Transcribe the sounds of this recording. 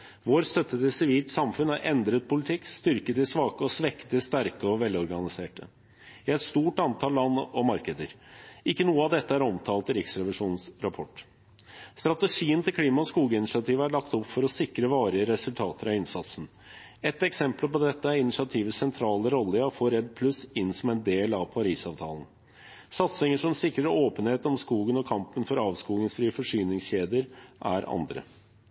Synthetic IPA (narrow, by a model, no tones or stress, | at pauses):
ʋoːɾst̪œt̪ːət̪ɪlsɪʋiːlt̪sɑmfʉnhæɾʔɛnd̪ɾət̪̚pʰʊlɪt̪ʰɪkːst̪ʏɾkət̪ɪsʋɑːkəɔsʋɛkt̪əst̪æɾkəɔʋɛlːɔɾɡɑnɪseːʈə | ɪɛt̪st̪uːʈɑnt̪ʰɑːllːɑnːɔmɑɾkəd̪əɾ | ɪkːənuːəɑʋd̪ɛt̪ːəæɾɔmt̪ʰɑːlt̪ɪɾɪksɾɛʋɪʂuːnənsɾɑpʰɔʈː | st̪ɾɑt̪əʂiːənt̪ɪlkʰliːmɑɔskuːɡəɪnɪʂɑt̪ʰiːʋəæɭɑkt̪ɔpfɔɾɔsɪkɾəʋɑːɾɪəɾɛsʉlt̪ʰɑːt̪əɾɑɪnsɑt̪sn̩ | ɛt̪ːɛksɛmplpɔd̪ɛt̪ːəæɾɪnɪʂɑt̪ʰiːʋəsɛnt̪ʰɾɑːləɾɔlːəɔfoːɾɛd̪pʰlʉsɪnsɔmɛɪnd̪eːlɑʋpʰɑɾiːsɑːʋt̪ʰɑ̰ːln̩ | sɑt̪sɪŋəʂɔmɛsɪkɾəɾoːpənheːt̪ɔmskuːɡənɔkʰɑmpənfɔɾɑːʋskuːɡəŋsfɾiːəfɔʂyːnɪŋsçeːd̪ɪəɾʔæ̰ɾɑ̰nd̪ɾə̰